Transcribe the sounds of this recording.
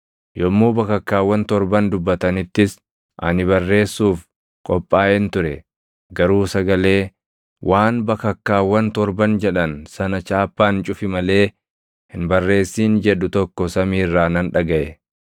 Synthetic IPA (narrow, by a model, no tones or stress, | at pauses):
jɔmːuːbɐkɐkːaːwːɐnt̪ɔɾbɐnd̪ʊbːɐt̪ɐnɪt̪ːɪs | ʔɐ̰nɪβɐrːe̞ːsːuːf | kʼɔpʼːaːʔɛnt̪ʊɾɛ | ɡɐɾuːsɐɡɐle̞ː | wʔaːnbɐkɐkːaːwːɐnt̪ɔɾbɐnd͡ʒɛᶑɐnsɐnɐt͡ʃaːpːaːnt͡ʃʼʊfɪmɐle̞ː | hɪnbɐrːe̞ːsːiːnd͡ʒɛᶑʊt̪ɔkːɔsɐmiːrːaːnɐnᶑɐɡɐʔɛ